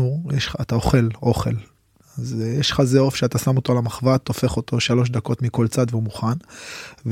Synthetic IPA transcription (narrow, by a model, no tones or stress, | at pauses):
ujeʃːt̪aoχe̞lo̞χe̞̰l | azjeʃχazeofʃeat̪asamot̪o̞lamaχvat̪ːo̞fe̞χo̞t̪ʰo̞ʃalo̞ʃ̬d̪ako̞t̪miko̞lt͡sad̪veumuχanv